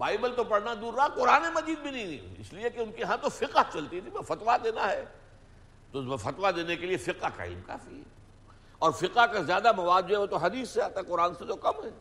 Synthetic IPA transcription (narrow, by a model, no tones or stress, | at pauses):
baːɪbəlt̪opɐɽnad̪uːɾːaaqʊɾaːnemɐd͡ʒiːd̪̚bʱinɐɦĩɪ̰sliekeʊnkeɦãt̪ofɪqət͡ʃɐlt̪it̪ʰibɐfɐt̪ʋad̪eːnaɦɛ | t̪ofɐt̪ʋad̪eːnekeliefɪqaka̰ːḭːmka̰ːfiɦɛ̰ | ɔːɾfɪqakazjaːd̪amɐʋaːd̪̚d͡ʒoɦɛʋoːt̪oɦɐd̪iːsːeaːt̪aɦɛqʊɾaːnset̪okɐmɦɛː